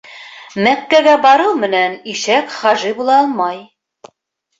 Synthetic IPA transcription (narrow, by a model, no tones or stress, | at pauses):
mækːæɡæbɑɾɤwmɘ̆næniʃækχɑʒibulˠɑɑlˠmɑj